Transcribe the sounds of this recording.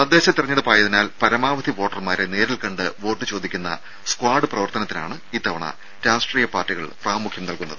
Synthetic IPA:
ɐd̪ːe̞ːɕɐt̪irɐɲːɐðɨpaːjɐðinaːlpɐɾɐmaːʋɐd̪ʱiʋo̞ːʈːɐrmaːɾene̞ːɾilkɐɳɖɨʋo̞ːʈːɨt͡ɕo̞ːd̪ikʲːunːɐ̰ | skwaːɖɨprɐʋɐrt̪ɐnɐt̪ːina̰ːɳɨiːt̪ːɐʋɐɳɐ̰ | ɾaːsʈriːjɐpaːrʈːiɣɐ̰ɭpraːmukʰjɐmnɐlkunːɐðɨ

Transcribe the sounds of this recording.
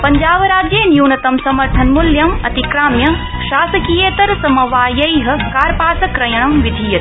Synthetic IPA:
pɐɲd͡ʒaːʋɾaːd͡ʒjeːnjuːnɐt̪ɐmsɐmɐɾt̪ʰɐnmuljɐmɐt̪ikɾaːmjɐ | ʃaːsɐkijeːt̪ɐɾsɐmɐʋaːjɐjɦɐ̆kaːɾpaːsɐkɾɐjɐɳ̃ɐmʋid̪ʱijɐt̪

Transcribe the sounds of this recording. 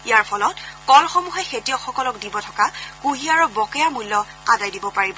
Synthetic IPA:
ijaɹpʰɔlɔtkɔlxɔmuɦɛxetijɔxɔkɔlɔk̚dibɔtʰɔkakuɦiaɹɔbɔkɛjamulːɔ | adajdibɔpaɹibɔ

